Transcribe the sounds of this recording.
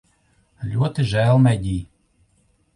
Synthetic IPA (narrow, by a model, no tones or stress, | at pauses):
lʲuɔt̪ɨʒælˠmæd̪ʲiː